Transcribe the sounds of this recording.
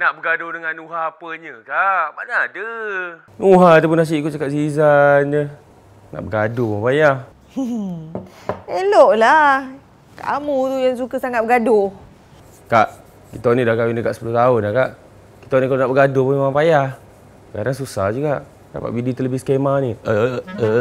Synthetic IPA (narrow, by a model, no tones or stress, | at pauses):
naʔbəɡadohdəŋanuɦaːpəɲəkabanadə | nuɦat̪ap̬ʊnas̬iʔkuʔt͡ʃakaʔsiːzand͡ʒə | na̰ʔbəɡadohpuŋapajah | eloʔla | kaʔmut̪ujaŋs̬ukəsaŋat̪̚bəɡado | kaʔ | kit̪ɔnidakawinikaʔsə̥pulut̪aʊnlakaʔ | ki̥t̪ɔnikalonaʔbəɡadopumimaŋpajah | əka̰daŋs̬usahd͡ʒuɡaʔ | da̰pa̰ʔbidit̪ələbiskamaniəə